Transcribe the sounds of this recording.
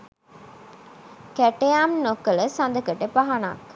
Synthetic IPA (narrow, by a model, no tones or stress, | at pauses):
kæʈejaːmnokələsɐnd̪əkəʈepaɦɐna̰ːk